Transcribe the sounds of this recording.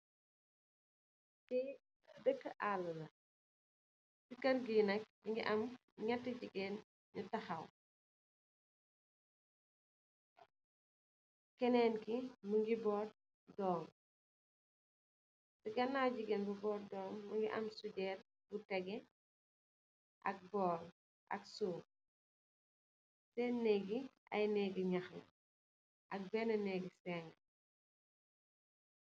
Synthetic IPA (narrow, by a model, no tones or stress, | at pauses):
tɛ | dəkːəʔaːlːɐlɐ | sukɐrɡiːnɐk̚diŋɡiʔɐm | ɲɐtːəɟiɡeːn | ɲutɐxɐw | kɛnɛːnkimuŋɡibɔːr | dɔːm | siɡɐnːaɟiɡɛnbubɔːɾdɔːmːuŋɡiʔɐ̰msuɟɛːɾ | butɛɡɛ | ʔɐ̰k̚bɔːl | ʔɐ̰ksuː | sɛnɛɡiʔɐ̰jnɛːɡiɲaxɛ̰ | ʔɐk̚bɛnɐnɛːɡisɛːŋ